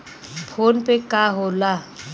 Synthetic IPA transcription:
pʰoːnpekaɦola

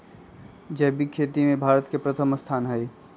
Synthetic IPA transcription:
d͡ʒɛɦbikʰeːt̪imẽbʱaːɾət̪kepɾət̪ʰəmst̪ʰaːnɦɛe

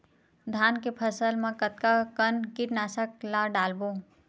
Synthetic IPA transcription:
d̪ʱaːnkepʰəsəlmãkət̪̚kakənkɪʈnaːsəklaɖaːlboː

